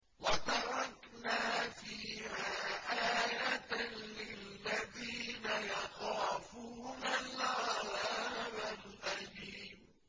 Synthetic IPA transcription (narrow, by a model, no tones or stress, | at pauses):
wat̪ɑɾˤɑk | naːfiːhaːʔaːjat̪lɪlːaðiːnajɑxaːfuːnalalaːmalʔaliːm